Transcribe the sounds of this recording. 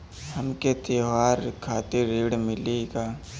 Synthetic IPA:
həmket̪eːʋaːɾkʰaːt̪eɾeːɽmɪleɡaː

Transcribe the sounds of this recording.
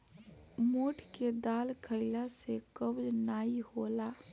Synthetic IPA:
moːʈʰked̪aːlkʰəɪlasekəbd͡ʒnaːihola

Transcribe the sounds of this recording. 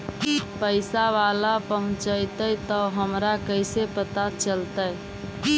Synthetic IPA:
pəɪsaʋalapəɦʊ̃t͡ʃəɪt̪əjt̪əɦəmɾakəɪsepət̪at͡ʃəlt̪əj

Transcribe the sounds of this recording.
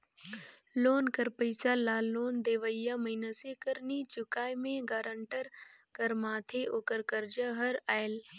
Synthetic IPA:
loːnkəɾpəɪsalaːlːoːnd̪eːʋəjamɐinasekəɾnit͡ʃʊkaːjmẽɡaːɾəɳʈəɾkɐɾmaːt̪ʰeʔoːkəɾkəɾd͡ʒaɦɐɾaːɪl

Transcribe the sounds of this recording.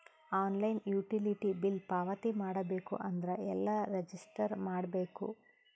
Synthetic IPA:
aːnlɐjnjuːʈiliʈibilpaːʋɐt̪imaːɽɐbe̞ːkṵʔɐnd̪ɐɾɐɛlːɐɾed͡ʒisʈɐɾmaːɽɐbe̞ːkṵ

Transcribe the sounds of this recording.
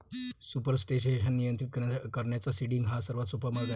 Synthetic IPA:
supəɾsʈeɕeɕənːijənt̪ɾit̪kəɾɳjat͡sasiɽiŋɡɦasəɾʋat̪supəɾməɡa

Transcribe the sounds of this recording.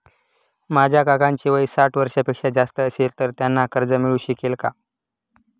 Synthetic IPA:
mad͡ʑʱjakakãɲt͡ɕiʋəisaʈʰʋəɾʂjapekʂad͡zast̪əːselt̪əɾt̪janːakəɾd͡zəmiɭuːɕikelka̰

